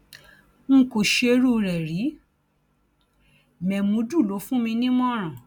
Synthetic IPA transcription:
ŋ̩˦˧˦ko˨ʃe˧ɾu˦˧ɾɛ˨ɾi˨˦ | mɛ˨mũ˨˧˦du˦˨lo˨˦fũ˦mĩ˧nĩ˦mɔ̃˦ɾ̃ã˨

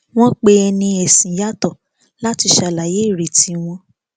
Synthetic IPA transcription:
w̃ɔ̃˦k͡pe˧˦ɛ˧nĩ˧ɛ˨sĩ˨ja˦tɔ˦˨ | la˦ti˧ʃa˧˨la˨je˨˦˨ɾe˨ti˨˦w̃ɔ̃˧

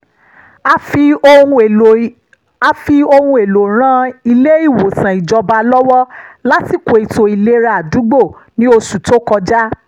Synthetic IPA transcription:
ũ˧˨ | a˧fi˧o˧hũ˧e˨lo˨ɾ̃ã˦i˧le˦i˦˨wo˨sã˨i˨d͡ʒɔ˧ba˧lɔ˦wɔ˦la˦ti˦˨ko˨i˨to˧i˨le˦ɾa˧˨a˨du˨˦ɡ͡bo˦˨nĩ˦o˧su˨to˦kɔ˧d͡ʒa˦

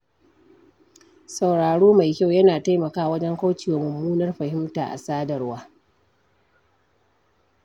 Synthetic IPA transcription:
sa˨wɽaː˨ɽoː˦ma˨jkʲa˦wjɐ˦naː˨ta˦jmɐ˨kaː˦wɐ˦d͡ʒɛ˦ŋka˦wt͡ʃiː˨wa˨mɐ˨mːuː˦nɐ˦rɸɐ˨hɪ˦mtaː˨ʔa̰˨saː˦dɐ˨rwaː˦

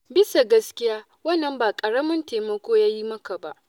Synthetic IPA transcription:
bɪ˦sa˨ɡɐ˦skʲɪ˦jaː˦ | wɐ˦nːɐ˨mbaː˨kʼɐ˨ɽɐ˦mɪ˦nteː˨mɐ˦kʷoː˦jaː˦ji˦mɐ˦ka˨ba˦ʔ

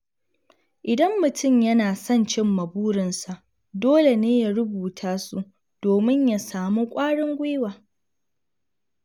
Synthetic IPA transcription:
ʔɪ˨dɐ˦mːʊ˨tʰʊ˦˨mjɐ˦naː˨sɐ˦nt͡ʃɪ˦mːɐ˨buː˦ɽɪ˨nsa˨ʔ | doː˦le˨neː˦ja˦˨ɾʊ˦buː˨tʰaː˦su˦ | d̥oː˨mɪ˦ɲja˨saː˨mu˦kʷʼaː˦ɽɪ˦ŋɡʷe˦waː˨

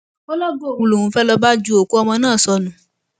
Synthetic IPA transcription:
o˦lɔ˦ɡo˦˨u˨lo˨wũ˨fɛ˦lɔ˧ba˦d͡ʒu˦o˨ko˦ɔ˧mɔ̃˧nãː˦˨sɔ˧nũ˨˦

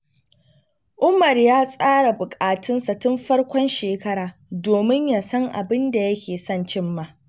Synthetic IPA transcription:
ʔʊ˦mɐ˨rjaː˦sʼaː˦ɽa˨bʊ˨kʼaː˨tʰɪ˦nsa˨tʊ˦mɸɐ˦rkʷɔ˦nʃeː˨kɐ˦ɽaː˨doː˨mɪ˦ɲja˨sɐ˦ŋʔa̰˨bɪ˦nda˨jɐ˦kʲeː˨sɔ˦˨nt͡ʃɪ˦mːaː˦˨

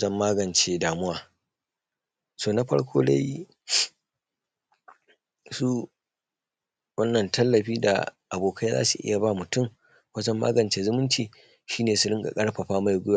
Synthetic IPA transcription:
d͡ʒɐ˦mːaː˦ɡɐ˨nt͡ʃeː˦daː˨mʊ˦waː˨ | soː˦˨na˦ɸɐ̰˦ɽkʷʰoː˦da̰˦j | su˦ | wɐ˦nːɐ˨ntʰɐ˦lːɐ˨ɸiː˦da̰˨ʔa˨boː˨kʰa˦jza̰ː˦su˨ʔɪ̰˦ja˨ba˦mʊ˨tʊ˦˨m | wɐ˦d͡ʒɐ˦mːa̰ː˦ɡɐ˨nt͡ʃeː˦zʊ˦mʊ˦nt͡ʃiː˨ | ʃiː˦neː˨sʊ˦ɾɪ˦ŋɡʼa̰˨kʼɐ˦ɽɸɐ˨ɸaː˦ma˦˨jɡʷʊ˦jaː˨

